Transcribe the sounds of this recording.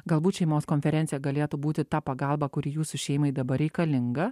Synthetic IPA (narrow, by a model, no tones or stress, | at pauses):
ɡɐlˠbuːt̪ʃʲɛɪmoːskoːnʲfʲɛɾʲɛnt̪sʲɪjɛɡɐlʲeːt̪ubuːt̪ʲɪt̪ɑːpɐɡɐlˠbɐkʊɾʲiːjuːsʊʃʲɛɪmɐɪd̪ɐbɐɾʲɛɪkɐlʲɪŋɡɐ